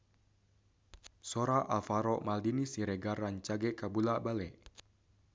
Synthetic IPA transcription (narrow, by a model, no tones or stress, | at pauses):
soɾaʔalfaɾɔmaldinisiɾɛɡaraɲt͡ʃaɡɛkabulabalɛʔ